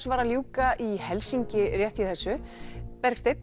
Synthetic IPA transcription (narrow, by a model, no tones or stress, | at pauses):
svaːɾaljuːkaʔihɛlsiɲcɪrjɛht̪iθɛsːʏpɛɾkst̪ejt̪